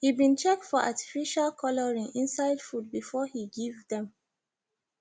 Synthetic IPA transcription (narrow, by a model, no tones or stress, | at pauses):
hibĩnt͡ʃɛk̚tfɔʔa̰ti̥fiʃalkʰɔlɔɹĩŋĩnsaɪdfud̚bifɔhiɡivðɛ̃m